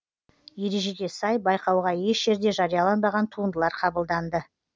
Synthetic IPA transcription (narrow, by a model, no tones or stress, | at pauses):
je̞ɾe̞ʒe̞d̪e̞sɑjbɑjqɑwʁɑje̞ʃʒ̥e̞ɾd̪e̞ʒɑɾijɑlˠɑnbɑʁɑnt̪ʰuənd̪əlˠɑɾqʰɑbəlˠd̪ɑnd̪ə